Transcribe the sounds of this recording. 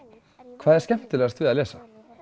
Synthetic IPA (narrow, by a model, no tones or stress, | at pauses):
kʰvaːðɛɾ̥scɛm̥t̪ɪlɛːɣast̪vɪːðaðlɛːsa